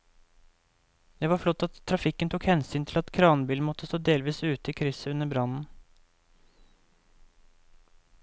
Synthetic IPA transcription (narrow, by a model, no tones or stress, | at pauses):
d̪̥ɛːʋɑːflɔt̪ːɑt̪ʰːɾɑfɪkənt̪ʰukhɛnsyːnt̪ʰɪlɑt̪kʰɾɑːnbiːlmɔt̪əst̪oːd̪eːlʋiːsʉːt̪əiːkʰɾʏsəʉnəbɾɑnn̩